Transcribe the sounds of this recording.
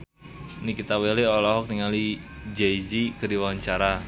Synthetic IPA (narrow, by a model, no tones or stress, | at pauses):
nikit̪aweleɔlɔɦɔk̚t̪iŋali | d͡ʒejd͡ʒikəɾiwaɲt͡ʃaɾa